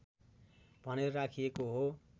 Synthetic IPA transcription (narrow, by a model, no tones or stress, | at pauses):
b̥ʱʌneɾoɾakʰijekoɦo